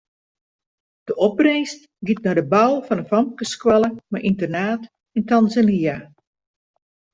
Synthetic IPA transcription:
d̥əʔɔb̚rejst | ɡit̚nɔdəbawlˠfɔnəfɔmkəskwɛləmaʔintərnaːt | intanzania

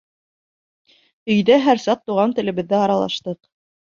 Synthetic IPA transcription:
ɵ̆jðæɦæɾsɑq̚t̪ːuʁɑnt̪ɘ̆lɘ̆βɘ̆ðːæɑɾɑlˠɑ̰ʃt̪ɤq

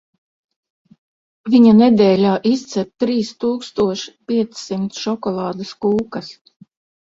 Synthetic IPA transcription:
viɲanɛd̪ɛːlʲaːʔist̪sɛɾt̪ɾiːst̪uːkst̪uɔʃpʲiɛt̪sːimt̪sʃɔkɔlˠɑːd̪ɨskuːkas

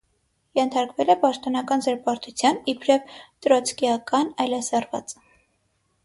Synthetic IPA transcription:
jɛnt̪ʰɑɾkvɛlɛpɑʃt̪ɔnɑkɑnzɛɾpɑɾt̪ʰut͡sʰjɑnipʰɾɛvt̪ɾɔt͡sʰkijɑkɑnɑjlɑsɑrvɑ̰t͡s

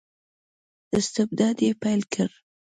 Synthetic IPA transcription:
ɪst̪ɪbd̪ɑd̪jepajlkʰəɾ

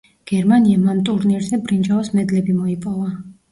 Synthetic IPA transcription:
ɡ̥ɛɾmaniamant̪ʼuɾniɾzɛbɾind͡ʒaɔsmɛd̪lɛbimɔipʼɔva

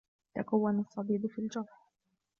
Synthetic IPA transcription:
t̪akawːanasˤːɑbiːbfiːld͡ʒɑɾˤħ

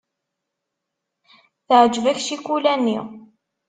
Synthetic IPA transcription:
θəʕd͡ʒvæçʃikʷulænːi

